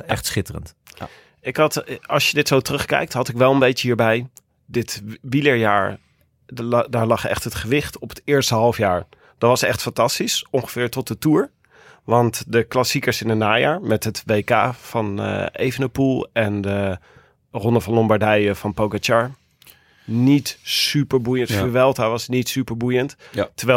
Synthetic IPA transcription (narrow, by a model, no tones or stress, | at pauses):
ɛχtsχɪtərə̰nt | ɪkɦɑtɑlˠsjədɪtsowtrɵχkɛ̰jk̚tɦɑtɪkʋɛlˠənbejt͡ʃəɦiːɹbɛj | dɪtʋiləɹjaːɹ | daːɹlɑχɛ̰χtɦətχəʋɪχtɔpə̥tɪːɹstəɦɑlˠfjaːɹ | d̥ɔtʋɑsɛχtfɑntɑstisʔɔŋχəfɪːɹtɔt̚dətuːɹ | ʋɑntdəklasikəsɪnənaːjaːɹmɛtɦətʋeːka̰ːfɑn̰ḛjvənəpulˠɛndə | rɔndəfɑnlɔmbaɹdɛjəfɑnpowɡat͡ʃaɹ | nitsypəɹbujəntəʋɛlˠtaʋɑsnitsypəɹbujənttəɹʋɛ